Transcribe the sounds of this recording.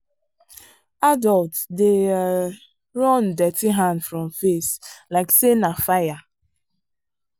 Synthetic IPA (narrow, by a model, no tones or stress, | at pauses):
adɔltde | ɾɔndɛtiɦãndfɾɔ̃mfeslaɪksenafaja